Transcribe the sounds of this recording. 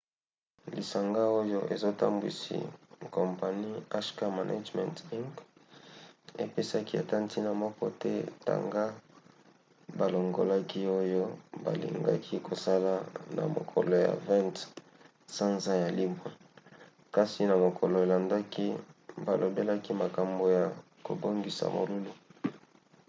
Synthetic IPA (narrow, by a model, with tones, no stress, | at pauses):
li˨sa˨ŋɡa˦o˦jo˦ʔe˨zo˦ta̰˦mbwḭ˨sḭ˨kɔ˨mpa˨ni˦a˦ʃka˦ma˨nʔa̰˦d͡ʒmɛ̰̃˨nti˦ŋk | e˨pe˦sa˦ki˦a˨ta˦nti˦na˨mɔ˦kɔ˦tɛ˦ta̰˨ŋɡa˦ | ba˨lo˨ŋɡo˨la˦ki˦o˦jo˦ba̰˨lḭ˨ŋɡa̰˦kʰi˦ko˨sa˦la˦na̰˨mo̰˨kʰɔ̰˨lo˨ja̰˨vɛ̃˦nt | sa˦nza˦ja˨li˦mwe˨ | ka˦si˨na˨mo˨kʰɔ˨lo˨e˨la˨nda˦ki˦ba˨lo˨be˦la˦ki˦ma˨ka˨mbo˨ja˨ | ko̰˨bo˦ŋɡi˨sa̰˨mo̰˨lu˦lu˦